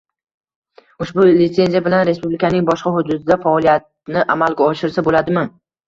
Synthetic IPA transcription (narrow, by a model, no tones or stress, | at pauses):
ʊʃbʊlɪt̪se̞nzijabɪlanɾe̞spublɪkʰʲanɪŋbɒʃqɑɦhʊd̪ʊd̪ɪd̪afaɒlijat̪̚nɪʔamalɡʲaɒʃɪɾsabolad̪ɪmɪ